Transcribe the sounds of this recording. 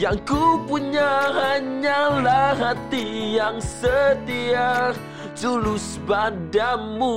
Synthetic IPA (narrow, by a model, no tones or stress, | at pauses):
jaŋkupuɲaɦaɲalaɦat̪ijaŋsət̪ia | d͡ʒulus | badanmu